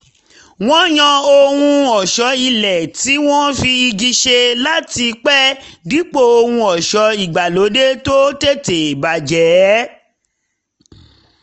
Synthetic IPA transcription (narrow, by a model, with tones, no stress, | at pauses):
w̃ɔ̃˦j̃ã˧o˧hũ˧ɔ˨ʃɔ˨˧˦i˧lɛ˨ti˨˦w̃ɔ̃˦fi˧i˧d͡ʒi˧ʃe˧la˦ti˧k͡pɛ˦di˨˦k͡po˦˨o˧hũ˧ɔ˨ʃɔ˨˦i˨ɡ͡ba˨lo˨˦de˦to˦te˦˨te˨ba˨d͡ʒɛ˨˦